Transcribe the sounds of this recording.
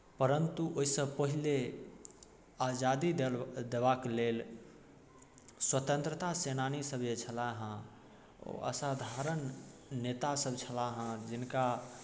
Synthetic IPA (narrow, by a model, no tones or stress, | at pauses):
pəɾənt̪uʔoisəbpəɦile | ad͡ʒad̪id̪eβaklel | swət̪ə̃nt̪ɾət̪asenanisəbjet͡ʃʰəlaɦã | o̰ə̰sad̪ʱaɾənːet̪asəbt͡ʃʰəlaɦə̃d͡ʒinka